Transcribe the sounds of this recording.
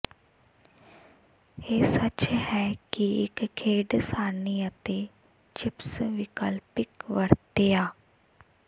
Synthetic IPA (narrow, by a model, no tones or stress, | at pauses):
eːsət͡ʃhɛːkiɪ̰kkʰːeːɖsaːniːət̪eː | t͡ʃɪpsʋɪkəlpɪkʋəɾt̪eːaː